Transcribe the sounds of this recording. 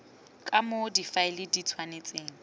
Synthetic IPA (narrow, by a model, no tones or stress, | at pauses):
kʼamodifaɪlɪdit͡sʰwanet͡sʼeːŋ̩